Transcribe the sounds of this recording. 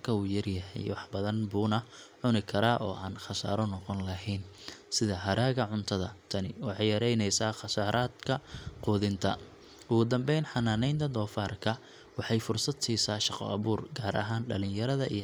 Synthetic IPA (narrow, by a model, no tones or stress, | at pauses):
kʰɐuːjɐrjɐɦɛ̰jwɑħbɐðɐnbuːnɐʕʊnɪkʰɐɾaːʔɔ̰ːʔaːnχɑsa̰ːɾɔnɔqɔnlɐɦɛnsɪðɐɦɐɾaːɣɐʕʊnt̪ʰɐðɐ̰t̪ʰɐnɪwɑħɑjjɐɾɛjnɛjsaːχɑsaːɾʔaːd̪kʰɐquːðɪnt̪ʰɐ | ʔʊɣʊd̪ɐmbɛjnħɑnaːnɛjnt̪ʰɐd̪ɔːfaːrkʰɐ | wɑħɑjfʊrsɐd̪siːsaːʃɑqɔ̰ɐβuːrɡaːɾʔɐ̰ɦaːnɖɐ̰lɪnjɐɾɐðɐʔḭ